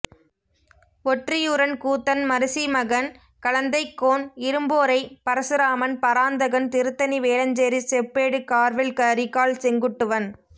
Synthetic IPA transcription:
ɔʈrijɯɾɐnkuːt̪ːɐnmɐɾɯsimɐɣɐn | kɐɻɐnd̪ɐɪkːoːnɪɾɯmboːɾɐɪpɐɾɐsɯɾaːmɐnpɐɾaːnd̪ɐɣɐnt̪ɪɾɯt̪ːɐniʋeːlɐɲd͡ʒeɾisɛpːeːɽɯkaːɾʋɪlkɐːɾɪkːaːɭsɛŋɡɯʈːɯʋɐn

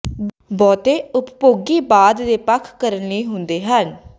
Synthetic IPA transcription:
bɔːt̪eːʊppoːɡiːbaːd̪d̪eːpəkʰkəɾənniːɦʊnd̪eːɦən

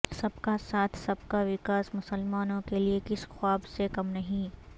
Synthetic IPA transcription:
sɐbkasaːt̪ʰsɐb̚kaʋɪkaːsmʊsəlmaːnõkeliekɪsxwaːbsekɐmnɐɦĩː

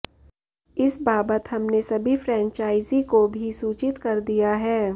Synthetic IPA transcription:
ɪsbaːbət̪ɦɐmnesɐbʱifʰɾɛ̃ːnt͡ʃaːɪzikobʱisuːt͡ʃɪt̪kɐɾd̪ijaɦɛː

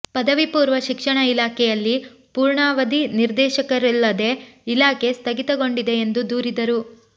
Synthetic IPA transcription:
pɐd̪ɐʋipuːɾʋɐʃikʂɐɳɐilaːkʰɛjɐlːipuːɾɳaːʋɐd̪iniɾd̪ɛːʃɐkɐɾilːɐd̪e̞ilaːke̞st̪ɐɡit̪ɐɡo̞ɳɖid̪e̞ːnd̪ud̪uːɾid̪ɐɾu

